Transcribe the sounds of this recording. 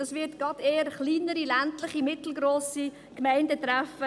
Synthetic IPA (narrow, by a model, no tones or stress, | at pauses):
ɑsvɪtɡ̥ɑdeːəɾχliːnəɾilæntləχimɪtl̩ɡɾoːsi | kmɛɪndətɾæfə